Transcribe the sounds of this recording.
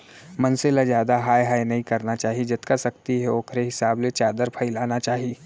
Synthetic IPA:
mɐnselazjaːd̪aɦaːjɦaːjnɐɦĩkɐɾnat͡ʃaːɦied͡ʒɐt̪kasɐkt̪iɦɛoːkʰɾeɦɪsaːblet͡ʃaːd̪əɾpʰɐilaːnat͡ʃaːɦieː

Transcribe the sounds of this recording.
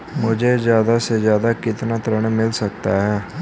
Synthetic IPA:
mʊd͡ʒʱezjaːd̪asezjaːd̪aːkɪt̪naːt̪ɾəɳ̃mɪlsək̚t̪aːɦɛː

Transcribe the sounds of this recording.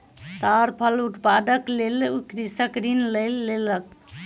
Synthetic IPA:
t̪aɾpʰəluʈpad̪əklelukɾisəkɾinləjlːelək̚

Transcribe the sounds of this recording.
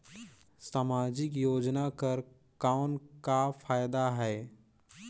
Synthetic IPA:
saːmaːd͡ʒɪkjoːd͡ʒnakəɾ | kaʊnkafʰaːjd̪aɦɛː

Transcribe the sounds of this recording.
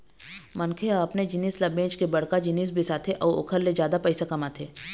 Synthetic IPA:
mɐnkʰeaɐpned͡ʒɪniːslɐbẽːt͡ʃkebɐɽkad͡ʒɪniːs̬bʱɪsat̪ʰeʔɔːɾʊ̰kʰəɾled͡ʒjaːd̪apɛɪsakɐmat̪ʰeː

